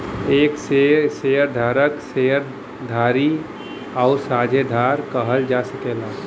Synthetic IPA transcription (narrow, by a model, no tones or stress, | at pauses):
eːkseseːəɾd̪ʱaːɾəkseəɾ | d̪ʱaːɾi | aʊsaːd͡ʒʱed̪ʱaːɾkəɦəld͡ʒaːsəkeːla